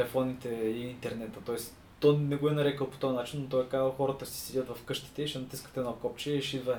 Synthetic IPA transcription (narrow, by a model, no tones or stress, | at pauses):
lɛfɔnit̪ɛiint̪ɛɾnɛt̪ət̪ɔɛs | t̪ɔnɛɡoɛnɐɾɛkəlˠpo̥t̪ɔɐnat͡ʃinːot̪ɔɛkazəlˠxɔɾət̪əsi̥sɛdʲət̪vɐfkɤʃt̪i̥t̪ɛiʃɛnɐt̪iskə̥t̪ɛnɔkɔp̚t͡ʃɛiʃid̪və